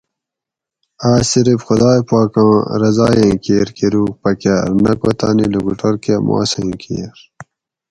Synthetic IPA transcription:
aːsiɾipxud̪aːjpaːkãːɾɐzaːjẽːkeːɾkiɾuːk̚pɐkaːɾnɐkwɐt̪aːniluɡuʈɐɾkemʔa̰ːsẽːkʰḛːɾ

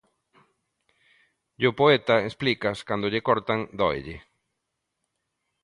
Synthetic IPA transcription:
ʎopoet̪aesplikaskand̪oʎekoɾt̪aŋd̪o̰jʎe

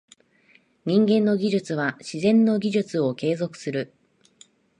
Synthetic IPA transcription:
ɲ̟ĩŋɡẽnːo̞ɡʲiʑɨt͡sɨβaɕizẽ̞nːo̞ɡʲiʑɨt͡sɨo̞ke̞ːzo̞kɯ̟̥sɨɾɯ̟

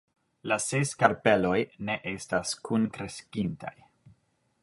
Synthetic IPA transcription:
laseskaɾpe̞lo̞jne̞ʔe̞staskʰunkɾe̞skinta̰j

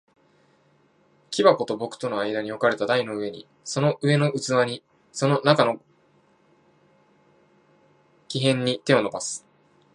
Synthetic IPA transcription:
kʲibako̞t̪o̞bo̞kɯ̟̥t̪o̞no̞aid̪aɲ̟io̞kaɾe̞t̪ad̪aino̞ɯ̟e̞ɲ̟ḭ | so̞no̞ʔɯ̟e̞noɯ̟t͡sɨβaɲ̟i | so̞no̞nakano̞ | kʲiɦẽ̞ɲ̟ːit̪e̞o̞no̞basɨ̥

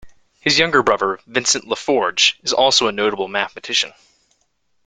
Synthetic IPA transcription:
hɨzjʌ̃ŋɡə˞bɹʌðə˞vɪ̃nsɨ̃nʔləfɔɹd͡ʒɨzɔlˠsoʊənoʊɾəbl̩ˠmæθmɨtʰɪʃɨ̰̃n

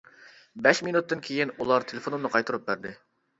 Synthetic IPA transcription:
bɛʃminut̪ːɨnkʲʰejɪnulˠɑɾt̪ʰelˠefonunɨqʰɑjt̪uɾup̚bæɾd̪ɪ

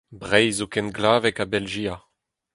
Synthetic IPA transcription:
bʁɛjzokɛnɡlaːvɛkabɛlʒiːa

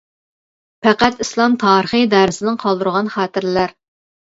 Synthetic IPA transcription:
pæqæt̪islˠɑmt̪ʰɑːɾəχɨd̪æːɾɪsɪnɪŋqʰɑlˠd̪uɾʁɑnχɑːt̪ɪɾlæɾ

